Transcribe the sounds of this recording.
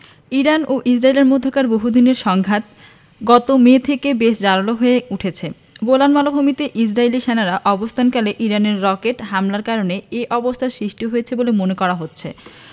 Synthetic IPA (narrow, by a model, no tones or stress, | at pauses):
iɾanoʔisɾaileɾmod̪ʱːakaɾboɦud̪ineɾʃɔŋɡʱat̪ | ɡɔt̪omeːt̪ʰekebeʃd͡ʑalaloɦoeuʈʰet͡ɕʰe | ɡolanmalobʱomit̪eʔid͡ʑɾailiʃenaɾaʔɔbost̪ʰankaleʔiɾaneɾːɔkeʈɦamlaɾkaɾoneeʔɔbost̪ʰaʃɾiʃʈiɦojet͡ɕʰebolemonekɔɾaɦotːɕʰḛ